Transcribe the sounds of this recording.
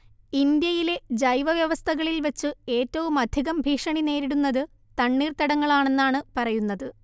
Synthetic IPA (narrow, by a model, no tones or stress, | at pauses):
ind̪jɐjile̞d͡ʑɐjʋɐʋjɐʋɐst̪ʰɐɣɐɭilʋɐt͡ɕːɨe̞ːtːɐʋumɐd̪ʱiɣɐmbʱiːʂɐɳine̞ːɾiɽunːɐðɨ | t̪ɐɳːiːrt̪ɐɽɐŋːɐɭaːɳe̞nːaːɳɨpɐrɐjunːɐðɨ